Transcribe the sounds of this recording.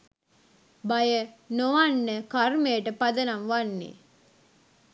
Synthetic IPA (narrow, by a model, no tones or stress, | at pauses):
bajənoʋanːəkarmejəʈəpad̪ənamʋanːḛ